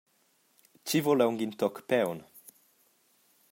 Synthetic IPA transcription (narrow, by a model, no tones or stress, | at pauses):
t͡ɕivolɛwŋɡint̪ɔkpɛwn